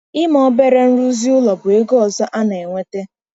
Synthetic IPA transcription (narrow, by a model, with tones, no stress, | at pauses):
ɪ˦mɔ˦be˦ɾe˦n̩˦ɾu˦zi˦ʊ˦lɔ˨bʊ˨e˦ɡɔ˦ɔ˨zɔ˦ʔa˦na˨e˨ŋʷe˦te˦